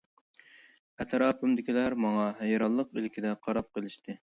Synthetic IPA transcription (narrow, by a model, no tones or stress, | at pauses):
ɛt̪ʰɾɑːpʰɨmd̪ɪkʲilæɾmɑŋɑɦɛjɾɑlˠːəqilkʲʰid̪ɛqʰɑɾɑp̚qəlˠɪʃt̪ʰɨ